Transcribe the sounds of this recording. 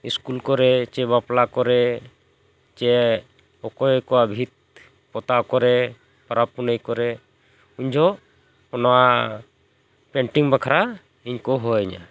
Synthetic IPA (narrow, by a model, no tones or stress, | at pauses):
iskulkɔɾɛt͡ʃɛbaplakɔɾɛ | t͡ʃɛ | ɔkɔjkɔabʱit̪̚ | pɔt̪akɔɾɛ | pɔɾapunəjkɔɾɛ | uɲd͡ʒʱɔ | ɔnɔwa | peɳʈiŋbakʰaɾa | iɲkɔɦɔɛɲa̰